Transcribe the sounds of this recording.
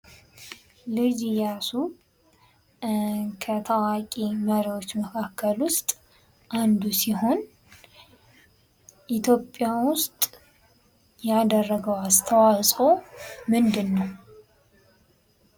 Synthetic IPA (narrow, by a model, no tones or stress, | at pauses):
lɨd͡ʒijasu | kʰət̪ʰəwakʼiməɾiwo̞t͡ʃːməkʰakːəlwʊst̪ʼ | ʔand̪usiho̞n | ʔit̪ʰjo̞pʼːjawʊst̪ʼ | jad̪ərːəɡəwast̪ʰəwasʼomɨnd̪ɨnːəw